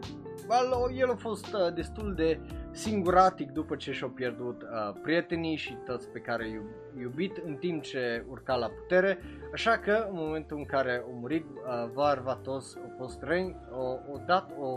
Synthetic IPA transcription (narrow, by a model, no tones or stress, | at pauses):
alojelafo̞st̪əd̪e̞st̪uld̪e̞siŋɡuɾat̪ik̚d̪upət͡ʃe̞ʃawpje̞rd̪ut̪əpɾije̞t̪enijʃit̪ot̪sʲpe̞kaɾeaju | jubit̪ɨnt̪impt͡ʃe̞urkalapu̥t̪e̞ɾe̞aʃakəɨnmo̞me̞nt̪uɨŋkaɾe̞omuɾit̪ | əvarvat̪otsafost̪renʲ | oːd̪at̪o